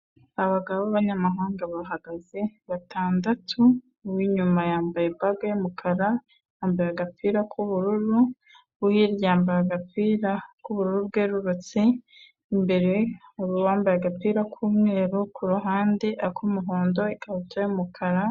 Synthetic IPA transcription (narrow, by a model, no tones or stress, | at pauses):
aβaɡaββoβaβaɲamaɦaːŋɡaβaɦaɡazeβatʰaːndatʰu | wiɲumajaːmbajebaɡeumukʰaɾa | aːmbajaaɡapiːɾakʰuβuɾuɾu | βuhiɾjaːmbajaɡap͡fiːɾakuβuɾuɾubɡeːɾuɾut͡siː | mbe̞ɾe̞uɾuβaːmbajaɡap͡fiːɾakʰuːmŋe̞ːɾukʰuɾuɦaːndeʔakʰumuɦoːndo̞ikaβutʰajumukʰaɾa